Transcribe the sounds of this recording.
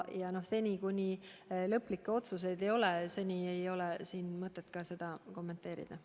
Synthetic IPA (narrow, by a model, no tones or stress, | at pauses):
jɑno̞hse̞nʲikunʲilɤpːˑlikːeo̞t̪suse̞jd̪e̞jo̞lese̞nʲiejo̞le̞siːnmɤt̪ːˑe̞t̪ːˑkɑse̞d̪̥ɑko̞mːe̞nt̪ːˑe̞ːɾḭd̪̥ɑ